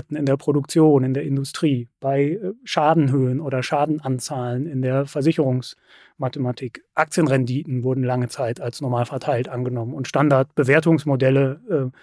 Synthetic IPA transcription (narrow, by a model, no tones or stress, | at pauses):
tn̩ɪndeːɐpʁ̥odʊk̚t͡sjoːnɪndeːɐʔɪndʊstʁ̥iːb̥aɪʃaːdn̩ɦøːənʔoːɾɐʃaːdn̩ʔant͡saːlənɪndeːɐfɛɐzɪçəʁʊŋs | matəmatʰiːkʔak̚t͡sjənʁɛndiːtn̩vʊɐdn̩laŋət͡saɪtalsnɔɐmaːlfɛɐtʰaɪltʔanɡənɔmənʊntʃtandaɐt̚b̥əveːɐtʊŋsmodɛləɛː